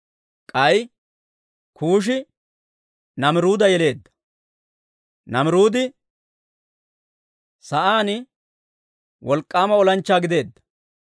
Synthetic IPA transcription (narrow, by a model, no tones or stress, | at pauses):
kʼɐj | kʰuːʃ̬ɪ | nɐmɪɾuːd̪ɐjɛle̞ːd̪ːɐ̥ | nɐmɪɾuːd̪ɪ | sɐʔaːnɪ | wɔlkʼːaːmɐɔlɐnt͡ʃːaːɡɪd̪e̞ːd̪ːɐ̥